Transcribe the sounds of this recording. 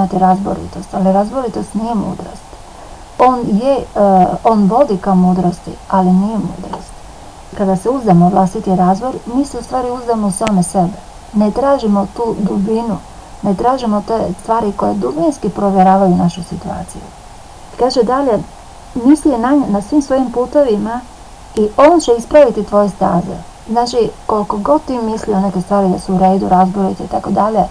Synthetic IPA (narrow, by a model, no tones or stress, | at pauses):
imat̪iɾazbo̰ɾḭt̪o̞st̪aliɾazboɾit̪o̞st̪nije̞mṵːd̪ɾo̰st̪ | o̞ːnje | o̞ːnʋo̞d̪ikaomuːd̪ɾost̪ḭalinije̞mṵːd̪ɾo̰st̪ | kad̪aseuzd̪amoʋlˠast̪it̪iɾazboɾmiːseust̪ʋaːɾiuzd̪amousaːmese̞be | net̪ɾaːʒimo̞t̪uːd̪ubinu | net̪ɾaːʒimot̪est̪ʋaːɾiko̞jed̪ubinskipɾo̞ʋjeɾaːʋajunaʃusit̪ua̰ːt̪sḭjṵ | ikaːʒed̪aʎe̞ | misienaɲnasʋiːmsʋo̞jimpuːt̪o̞ʋima | iʔo̞ot͡ɕeispɾaʋit̪it̪ʋo̞jest̪a̰ːzḛ | znaːt͡ʃiko̞lko̞ɡo̞d̪̚t̪ːimislione̞ke̞st̪ʋaːɾid̪a̰suuɾe̞ːd̪uɾazboɾit̪eit̪akod̪aʎe